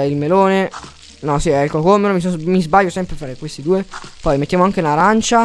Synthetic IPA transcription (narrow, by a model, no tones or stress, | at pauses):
ilmeloːne | nɔsiɛlkokomeɾomisomizbaʎːosɛmpɾefaːɾekwest̪id̪uːepɔjmet̪ːjaːmoaŋkenlaɾant͡ʃa